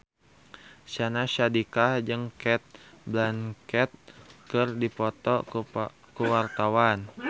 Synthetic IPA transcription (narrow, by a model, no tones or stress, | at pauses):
sanaʃadikad͡ʒəŋkɛt̪̚blankɛt̪̚kərdipɔt̪ɔ | kuwart̪awan